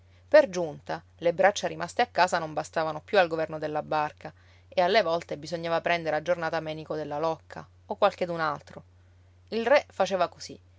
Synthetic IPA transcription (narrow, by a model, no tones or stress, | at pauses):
perd͡ʒunt̪a | lebɾat͡ʃːaɾimast̪eakːaːsanombast̪aːvanopjualɡovɛrnod̪elːabːarka | ealːevɔlt̪ebizoɲːaːvapɾɛnd̪eɾead͡ʒːornaːt̪amɛːnikod̪elːalɔkʰːa̰ | okːwalk̟ed̪unalt̪ɾo | ilrɛfat͡ʃeːvakosḭ